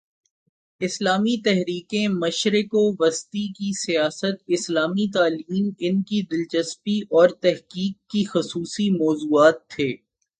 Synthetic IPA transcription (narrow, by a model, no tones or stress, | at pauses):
ɪslaːmit̪ɛɦɾiːkẽmɐʃɾɪkoʋɐst̪ikisijaːsət̪̚ɪslaːmit̪aːliːnɪnkid̪ɪlt͡ʃəspiʔɔːɾt̪ɛɦkiːkːixʊsuːsimɔːzuːaːt̪ʰːeː